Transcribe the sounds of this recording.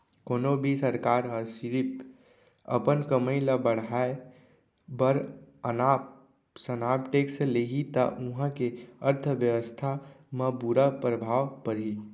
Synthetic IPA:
konobʱisəɾkaɾɦəsiɾip | ə̰pənkəməjləbəɽ̤ae | bəɾəna | sənapʈeksleɦit̪ə̰ʔuɦə̃keəɾt̪ʰəʋjəʋəst̪ʰamə̃buɾapɾəbʱaʋpəɾi

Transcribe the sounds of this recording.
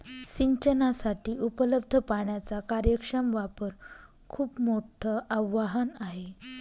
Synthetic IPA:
ɕiɲt͡ɕənasaʈiːʔupələb̚d̪ʱəpaɳjat͡sakaɾjəkʂəmʋapəɾ | kʰuːpmoʈʰəʔaʋːaɦənaɦe

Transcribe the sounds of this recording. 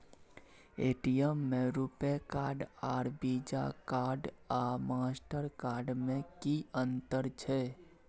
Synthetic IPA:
eːʈijəmːẽɾupekaːɾɖaːɾbid͡ʒa̰kaːɾɖamaːsʈəɾkaːɾɖmẽkiə̃nt̪əɾt͡ʃʰɛ

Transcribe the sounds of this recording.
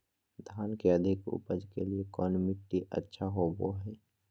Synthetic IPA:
d̪ʱaːnkeəd̪ʱɪkʊ̰pəd͡ʒkeliekɔːnmɪʈːiʔə̰tːʃʰaɦoboɦɛː

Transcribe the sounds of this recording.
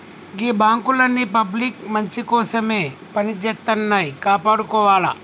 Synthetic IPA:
ɡibãːŋkulɐnːipɐblikmɐnt͡ʃikoːsɐmepɐnid͡ʒɐt̪ːɐnːajkaːpɐɽkoʋaːla̰

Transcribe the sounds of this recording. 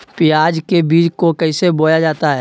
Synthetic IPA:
pɪjaːd͡ʒkebiːd͡ʒkokəɪseboːjad͡ʒaːt̪aɦɛː

